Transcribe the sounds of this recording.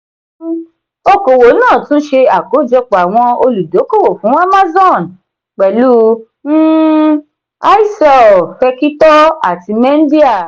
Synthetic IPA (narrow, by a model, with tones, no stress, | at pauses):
o˧ko˨wo˨˦nãː˦˨tũ˦ʃe˧a˨ko˨˦d͡ʒɔ˧k͡po˨a˨w̃ɔ̃˧o˧lu˨do˨˦ko˦˨wo˨fũ˨˦a˦ma˦zɔ̃˦˨n | k͡pɛ˨lu˦ | a˦i˦sɔ˦˨fɛ˧ki˦tɔ˦a̰˦˨ti˧mɛ̃˦n̩˦di˦a˦˨